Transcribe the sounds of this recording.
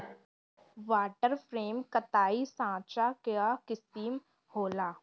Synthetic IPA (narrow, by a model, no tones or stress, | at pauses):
ʋaːʈəɾpʰɾeːmkət̪aːisãːt͡ʃakeakɪsiːm | hoːlaː